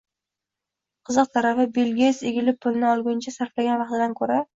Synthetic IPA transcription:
qʰɨzɨq̚t̪ʰaɾafɪbelɡʲeseɡʲɪlɪpʰːʊlˠnɪɒlˠɡʲʊnt͡ʃʰasaɾflaɡʲanvɑq̚t̪ɪd̪ankʰɵɾa

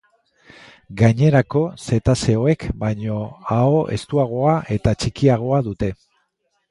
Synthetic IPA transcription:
ɡaɲe̞ɾako̞se̞t̪ase̞o̞e̞kbajɲo̞ao̞ʔe̞̰st̪uaɣ̞oaʔe̞t̪at͡ʃikiaɣ̞o̞aðut̪e̞

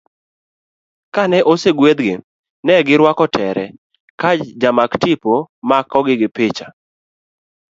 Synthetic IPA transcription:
kanɛʔoseɡwed̪ɡɪ | nɛɡɪɾwakɔtʰɛɾɛ | kad͡ʒd͡ʒamaktipomakɔɡɪɡɪpɪt͡ʃa

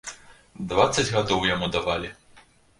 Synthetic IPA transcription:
d̪vat̪sːɐd͡zʲɣad̪ɔwjamud̪avalʲi

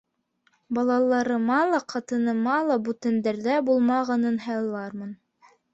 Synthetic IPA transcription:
bɑlˠɑlˠɑɾɤ̆mɑlˠɑqʰɑt̪ɤ̆nɤ̆mɑlˠɑbʉt̪ɘ̆nd̪æɾðæbulˠmɑʁɑnɤnɦɑ̆jɑlˠːɑɾmɤn

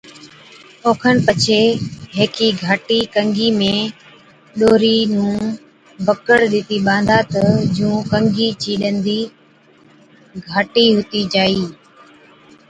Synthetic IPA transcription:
oːkʰənpət͡ʃʰeɦeːkʰiɡʱaːʈikə̃ŋɡʱimẽ | ɗoːɾinũː | bəkəɽɗɪt̪iɓãːnd̪ʱaːt̪əd͡ʒũːkə̃ŋɡʱiːt͡ʃiːɗənd̪iː | ɡʱaːʈiɦʊt̪id͡ʒaːiː

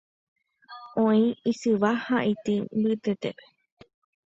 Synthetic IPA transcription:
õĩisɨʋahaʔit̪imbɨt̪et̪epe̥

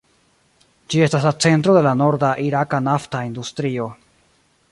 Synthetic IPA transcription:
d͡ʒie̞staslat͡se̞ntɾo̞de̞lano̞ɾdaʔiɾakanaftaind̪ustɾio̞

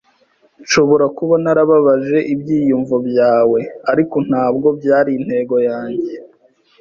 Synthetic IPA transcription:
ʃo̞βo̞ɾakuβanaɾaβaβaʒe̞ʔibɟiːjuɱvobjaːwe̞aɾiko̞n̥haːb̚ɡo̞b̚ɟaːɾiin̥he̞ːɡo̞jaːɲɟe̞

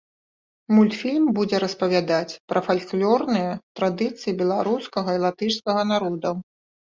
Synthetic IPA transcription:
mulʲt̪fʲilʲmbud͡zʲɛɾɐspɐvʲad̪at͡sʲpɾʔɐfalʲklʲɔrnɨjɐt̪ɾad̪ɨt̪sɨjibʲɛlˠaɾuskɐɣɐilˠat̪ɨʂskɐɣɐnaɾɔd̪ɐ

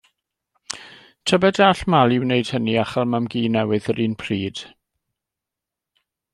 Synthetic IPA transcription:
tʰəbɛdaɬmalˠɪwneɨd̥həniaχalˠmamɡiːnɛwɨðəɾiːnpʰriːd̥

